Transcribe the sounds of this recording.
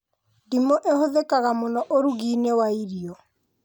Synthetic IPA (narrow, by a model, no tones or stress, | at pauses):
dimoʔehoðekaɣamonɔʔoɾuɣiːnewaiɾiɔ